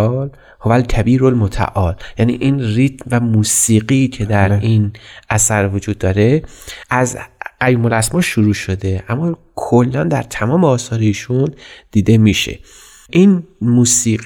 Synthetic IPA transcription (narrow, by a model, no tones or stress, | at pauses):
l | hovælkʰæbiːɾolmot̪ʰæ̰ʔɒːljæːnḭːʔiːnrit̪mvæmuːsiːɢicʰe̞d̪æɾinʔæsæɾvod͡ʒuːd̪̚ːɒːɾe̞ʔæzæjuːmolæsmɒːʃuɾuːʃod̪e̞ʔæmːɒː | kʰolːænd̪æɾt̪ʰæmɒːmeɒːsɒːɾiiːʃund̪̥iːd̪e̞miʃḛ | ʔiːnmuːsiː